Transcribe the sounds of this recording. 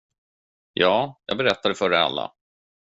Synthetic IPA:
jɑːjɑːɡbɛɾɛt̪ːad̪ɛfœɖɛa̰lːa̰

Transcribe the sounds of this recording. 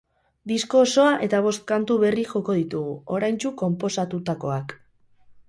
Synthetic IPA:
d̪isko̞ːso̞aʔe̞t̪aβ̞o̞st̪̚kant̪uβe̞riʝo̞ko̞ð̞it̪uɣuo̞ɾajnt͡ʃuko̞mpo̞sat̪ut̪ako̞̰ak

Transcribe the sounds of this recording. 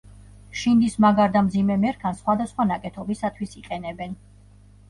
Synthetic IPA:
ʃind̪ismaɡaɾd̪amd̪zimɛmɛɾkʰansχwad̪asχwanakʼɛt̪ʰɔbisat̪ʰwisiqʼɛnɛbɛn

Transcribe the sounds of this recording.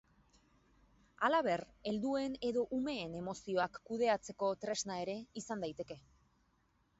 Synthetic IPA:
alaβ̞e̞re̞ld̪ue̞ne̞ðo̞ʔume̞ːne̞mo̞sio̞akːuð̞e̞at͡se̞ko̞t̪ɾe̞znae̞ɾe̞isand̪ajt̪e̞ke̞

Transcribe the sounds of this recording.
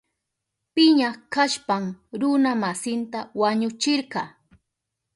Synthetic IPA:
pɪɲaχkaʃpamɾʊnamasɪnt̪awaɲʊt͡ʃɪɾɢɑː

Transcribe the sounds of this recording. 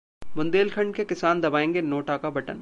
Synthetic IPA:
mʊ̃nd̪eːlkʰɐ̃ɳɖ̚kekɪsaːnd̪ɐbaːẽːŋɡenoːʈakabɐʈə̰n

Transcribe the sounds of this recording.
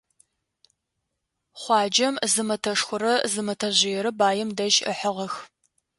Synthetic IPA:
χʷɑːd͡ʒɐmzɨmɐtʰɐʂxʷʊɾɐzɨmɐtʰɐʑɪjɛɾɐbaːjɛmdɐʒə̰ħəʁɐx

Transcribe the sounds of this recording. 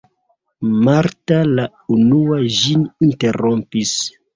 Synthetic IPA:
maɾtala | unuaʒininte̞ɾo̞mpis

